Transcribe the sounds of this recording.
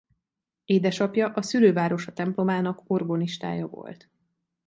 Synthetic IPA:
eːd̪ɛʃɒpjɒʔɒsyløːvaːɾo̞ʃɒt̪ɛmplo̞maːnɒko̞rɡoniʃt̪a̰ːjɒvo̰lt̪

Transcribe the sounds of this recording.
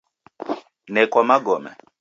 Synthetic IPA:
nɛkwamaɡɔmɛ̰

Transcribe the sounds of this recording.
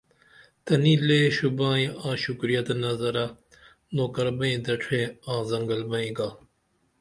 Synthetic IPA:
t̪ɐnĩːleːʃubãːĩãːʃʊkɾijɐt̪nɐzɐɾa | noːkɐɾbɐ̃ĩːd̪ɐʈʰẽːãːzɐŋɡəlbɐĩɡaː

